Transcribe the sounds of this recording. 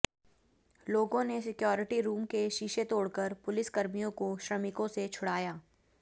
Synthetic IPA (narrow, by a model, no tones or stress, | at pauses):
loːɡõnesɪkjɔːɾɪʈiɾuːmkeʃiːʃet̪oːɽkəɾpʊlɪskɐɾmijõkoʃɾɐmɪkõset͡ʃʰʊɽaːjaː